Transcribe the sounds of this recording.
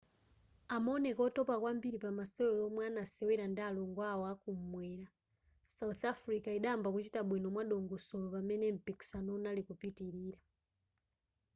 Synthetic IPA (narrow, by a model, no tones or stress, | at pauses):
amɔnɛkɔtɔpakwambiɾipamasɛwɛlɔmwanasɛwɛɾandalɔŋɡwawɔakum̩mwɛɾa | sauθafɾikaiɗambakut͡ʃitaɓwinɔmwaɗɔŋɡɔsɔlɔpamɛnɛm̩piki̥sanɔunalikupitiɾiɾa